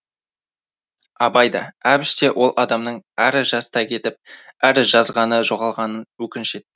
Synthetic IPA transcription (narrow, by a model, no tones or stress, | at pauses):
ɑbɑjd̪ɑæbɪʃse̞wʔo̞lˠʔɑd̪ɑmnəɴæɾʒɑsət̪ɑkʲʰe̞t̪ɪp̚æɾʒɑzʁɑnəʒo̞ʁɑlˠʁɑnənwɵkʲɪnʃe̞t̪ːɪ